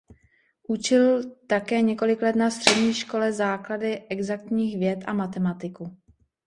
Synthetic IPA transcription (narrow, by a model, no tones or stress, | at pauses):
ʔut͡ʃɪlt̪akɛːɲɛko̞lɪklɛt̪nast̪r̥ɛdɲiːʃko̞lɛzaːkladɪʔɛɡzak̚t̪ɲiːxvjɛt̪ʔa̰mat̪ɛmat̪ɪku